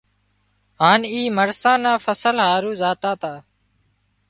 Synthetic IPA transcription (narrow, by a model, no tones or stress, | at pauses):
ɦaːniːməɾsãːnãːfəsəlɦaːɾuːzaːt̪aːt̪aː